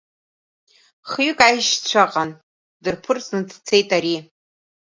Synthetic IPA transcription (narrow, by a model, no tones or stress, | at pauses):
χɥkʼajʃt͡ɕʷʰaqʼan | dɨrpʰɨrt͡sʼnɨt͡sʰt͡sʰe̞jtʼaɾi